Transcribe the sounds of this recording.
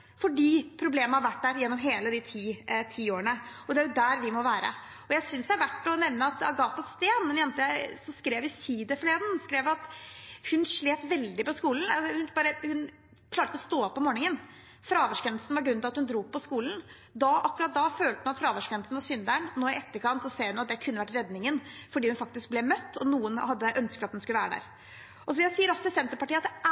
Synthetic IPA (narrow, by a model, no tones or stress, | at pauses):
fɔɖiːpʰɾʊbleːməəhɑɾʋæʈːd̪æːɾjɛnːɔmɦeːləd̪ɪt̪ʰiːt̪ʰiːoːəɳəɔd̪ɛæɾjʊd̪æɾʋɪmɔʋæːɾə̰ | ɔjæɪsʏnsd̪ɛæɾʋæʈːɔnɛʋnəɑt̪ɑ̰ɡɑːt̪ɑst̪eːnmɛnjɛnt̪əjæɪsɔskɾeːʋɪsiːd̪əfleːd̪nskɾeːʋɑt̪hʉnʂɭeːt̪ʋɛld̪ɪpɔskuːln̩ɑsɔhʉnbɑːɾəhʉn | kʰlɑːɾʈt̪ɔst̪oːɔpːɔmoːɳɪŋən | fɾɑːʋəʂkɛnsnʋɑɾɡɾʉnɪɑt̪hʉnd̪ɾuːpʰːɔskuːln̩ | d̪ɑʔɑkːʉɾɑt̪̚d̪ɑføːlt̪əhʉnɑt̪fɾɑːʋəʂkɛnlsn̩ʋɑɾsʏnd̪æɳnoːɪɛt̪ːəɾkʰɑnt̪sɔseːɾʉnɑt̪̚d̪ɛkʰʉnːəʋæʈːɾɛd̪nɪŋənfɔɖiːhʉnfɑk̚t̪ɪsk̚blɛmœt̪ːɔnuːənhɑd̪ːəʔœnskət̪ɑt̪hʉnskʉləʋæːɾəd̪æ̰ːɾ | ʔɔs̬ɔʋɪsiːəɾɑsɪsɛnt̪əɾpɑʈiːɑt̪̚d̪ɛ